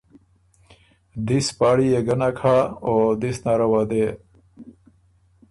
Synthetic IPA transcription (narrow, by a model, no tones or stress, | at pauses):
d̪ispaːɽijeɡɐnakʰaːod̪isnaɾɐwaːd̪e